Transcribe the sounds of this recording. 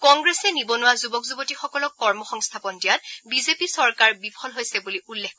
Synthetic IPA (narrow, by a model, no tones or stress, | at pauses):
kɔŋɡɹesɛnibɔnʊwazubɔkzubɔtixɔkɔlɔkːɔɹmɔxɔŋstʰapɔndijat̚bizepisɔɹkaɹbipʰɔlɦojsɛbuliʔulːexk